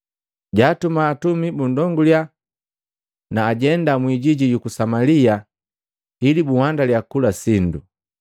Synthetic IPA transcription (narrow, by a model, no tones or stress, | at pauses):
ɟaːtumaːtumibundɔŋɡulja | naːɟɛndamwiɟiɟijukusamalia | hilibuhwandaljakulasindu